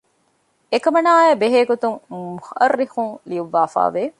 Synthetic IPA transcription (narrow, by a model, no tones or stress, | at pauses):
ekɐmɐnaːjbeɦeːɡot̪uŋmuxʔɐrːixuŋliuʋːaːfa̰ːʋe